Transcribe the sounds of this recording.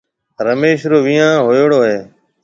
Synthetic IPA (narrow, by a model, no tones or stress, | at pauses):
ɾəmeːʃɾoːʋiːãːɦoːjoːɽoːɦeː